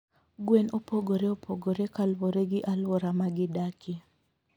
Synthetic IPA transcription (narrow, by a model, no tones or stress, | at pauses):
ɡwenopoɡoɾeopʰoɡoɾekalwoɾeɡɪʔalwɔɾamaɡɪdakʰi